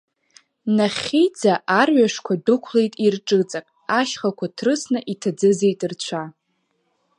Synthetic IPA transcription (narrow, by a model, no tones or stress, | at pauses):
naχʲid͡zaʔarɥaʂkʷʰadɨkʷʰle̞jtʼirʈ͡ʂʼɨt͡sʼakʼaʃχakʷʰatʰrɨsnɨʔitʰad͡zɨzejtʼɨrt͡ɕʷʰa